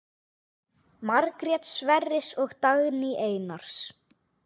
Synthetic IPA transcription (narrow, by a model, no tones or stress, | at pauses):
maɾkɾɛt̪svɛrːɪsɔɣt̪aɣniʔeːjnaɾ̥s